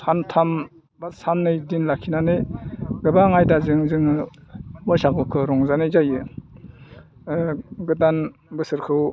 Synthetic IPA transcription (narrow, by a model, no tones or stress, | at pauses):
sʰantʰam | basanːɯjdinlakʰinaneɡɯbaŋajdazɯŋzɯŋ | bɔjsaɡɔkʰɯɾɔŋzanɯzajɯ | ɡɯtanbɯsɯɾkʰɯw